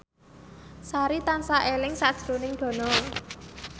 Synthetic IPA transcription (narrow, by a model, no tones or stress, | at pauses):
saɾit̪ansaʔelɪŋsad̥ʒ̥ɾonɪŋɖ̪̥ɔ̤nɔ